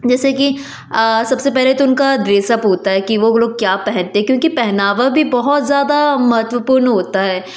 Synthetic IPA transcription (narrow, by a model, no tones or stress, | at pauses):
d͡ʒɛːseki | əsɐbsepɛɦleit̪oʊnkad̪ɾeːsəpɦoːt̪aɦɛkiʋoloːɡ̚kjaːpɛɦɛ̃nt̪eɦɛ̃kjõːkipɛɦnaːʋabʱibɔɦɔt̪zjaːd̪amɐɦət̪ʋəpuːɾnɦoːt̪aɦɛː